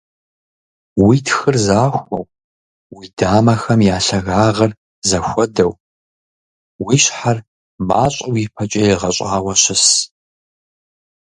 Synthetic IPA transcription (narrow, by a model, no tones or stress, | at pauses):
witʰxɨrzaːxʷɐ̰w | wiːdaːmɐxɐmjaːɬɐɣaːʁɐr | zɐxʷɔdɐw | wiːɕħar | maːɕʼɐwipʰɐt͡ʃʼɐjɪʁɐɕʼaːwɐɕɪs